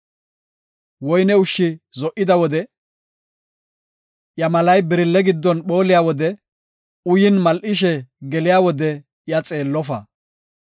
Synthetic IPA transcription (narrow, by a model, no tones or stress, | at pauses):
wɔjnɛʊʃːɪzɔʔɪd̪ɐwɔd̪ɛ | jɐmɐlɐjbɪɾɪlːɛɡɪd̪ːɔnɓo̞ːlɪjaːwɔd̪ɛ | ʊjɪnmɐlʔɪʃ̬ɛɡɛlɪjaːwɔd̪ɛ | jɐt͡sʼe̞ːlːɔfɐ